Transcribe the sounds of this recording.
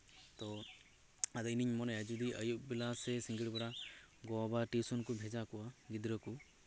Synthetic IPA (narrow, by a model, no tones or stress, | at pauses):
t̪ɔ | ad̪ɔiniɲmɔnɛjad͡ʒud̪iʔəjuk̚bilasɛsĩŋɡiɽbaɽaɡɔbaʈisɔnkubʱɛd͡ʒakɔwaɡid̪ɾəku